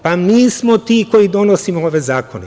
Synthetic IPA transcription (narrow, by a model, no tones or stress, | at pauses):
pamiːsmot̪iːkoid̪onosimooʋezaːkone